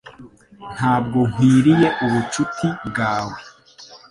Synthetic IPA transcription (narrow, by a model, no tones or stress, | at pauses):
n̥haːb̚ɡo̞hwiːɾije̞ʔuβut͡ʃutʰibɡaːwe